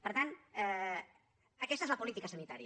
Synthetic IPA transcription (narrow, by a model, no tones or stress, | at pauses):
pəɾt̪anɛ | əkɛst̪əezləpulit̪ikəsənit̪aɾiə